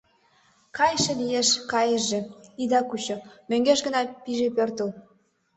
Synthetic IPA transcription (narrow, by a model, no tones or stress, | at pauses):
kɑjʃĕlijeʃkɑjəʒĕid̪ɑkut͡ɕomøŋɡeʃɡənɑpiʒepørt̪ə̆l